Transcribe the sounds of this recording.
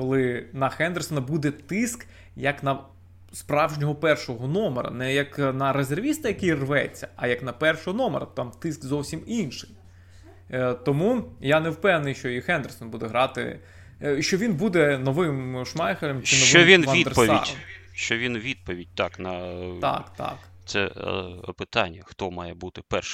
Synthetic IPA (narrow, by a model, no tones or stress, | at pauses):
kɔlˠɪnɐxɛnd̪ersɔnɐbud̪ɛt̪ɪsk | jɐknɐ | spɾɑwʒnʲɔɦɔpɛrʃɔɦɔnɔmḛɾɐ̰nɛjɐknɐɾezerʋʲist̪ɐjɐkijrʋɛ̰t͡sʲːɐ̥ɐjɐknɐpɛrʃɔɦɔnɔmḛɾɐt̪ɑmt̪ɪskzɔwsʲiminʃɪ̥j | t̪ɔmujanɛwpɛwnɪjʃt͡ʃɔixɛnd̪ersɔnbud̪ɛɦɾɑt̪ɪ̰ | ʃt͡ʃɔʋʲinbud̪ɛnɔʋɪmʃmɑjxɐlʲɐmt͡ʃɪnɔʋt͡ʃːɔmʋʲinɐnʲid̪ɾpɔʋ̪ʲḭd̰ʲ | ʃt͡ʃɔʋʲinʋʲid̪̚pɔʋʲid̚ʲt̪ɑknɐt̪ɑ̰kt̪ɑ̰k | t̪sɛ̰ | pɪt̪ɑnʲːɐxt̪ɔmɑjɛbut̪ɪpɛrʃ